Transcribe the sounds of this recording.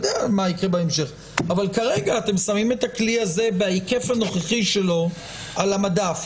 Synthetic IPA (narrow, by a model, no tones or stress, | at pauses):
d̪eamaikʁebaemʃe̞χ | avalkaʁeɡaːt̪e̞msamime̞takliaze̞beaike̞fano̞χeχiʃe̞lo̞ | alamadaf